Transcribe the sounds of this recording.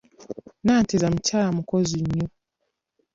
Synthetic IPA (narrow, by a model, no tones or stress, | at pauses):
naːtezam̩t͡ʃaːmukɔzuɲo